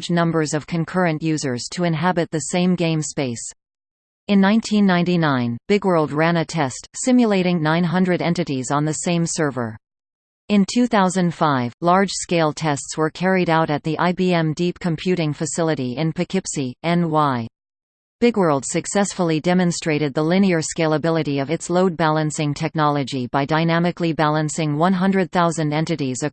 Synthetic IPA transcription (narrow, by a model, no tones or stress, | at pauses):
d͡ʒnʌ̃mbə˞zʌv̥kʰɨ̃nkʰɜ˞ɨ̃nʔjʉzə˞z̥tʰɨɨ̃nɦæbɨt̪̚ðɨsẽɪ̃mɡẽɪ̃mspeɪs | ɨ̃nːãɪ̃ntʰĩnːãɪ̃ntinãɪ̃nb̥ɪɡwɜ˞lˠd̚ɹæ̃nɨtʰɛstsɪ̃mjɨleɪɾɪ̃ŋnãɪ̃nɦʌ̃ndɹɨɾɛ̃ntɨɾizn̩ðɨsẽɪ̃msɜ˞və̰˞ | ɨ̃ntʰʉθaʊzɨ̃nd̥faɪvlɑɹd̥ʒ̥skeɪlˠtʰɛstswə˞kʰɛɹiɾaʊɾɨt̪̚ðiʔaɪbiɛ̃mdip̚kʰɨ̃m̩pʰj̥ʉɾɪ̃ŋfɨsɪlˠəɾiɪ̃npʰɨkʰɪpsiɨ̃nwaɪ | b̥ɪɡwɜ˞lˠd̥sɨksɛsfl̩ˠidɛmɨ̃nstɹ̥eɪɾɨd̪̚ðəlɪ̃ñiə˞skeɪlˠəbɪlˠɨɾiʌvɨtsloʊd̚bælˠə̃nsɪ̃ŋtʰɛk̚nɑlˠəd͡ʒibaɪdaɪnæmɨklibælˠə̃nsɪ̃ŋwʌ̃nɦʌ̃ndɹɨd̪̚θaʊzɨ̃ndɛ̃ntɨɾizɨ